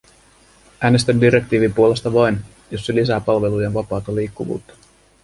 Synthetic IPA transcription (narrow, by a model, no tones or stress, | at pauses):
ʔæːne̞st̪ændiɾe̞kt̪iːʋimpuole̞st̪ɑʋɑjn | jo̞sːelis̬æːpɑlʋe̞luje̞nʋɑpɑːt̪ɑliːkːuʋṵːt̪ːɑ̥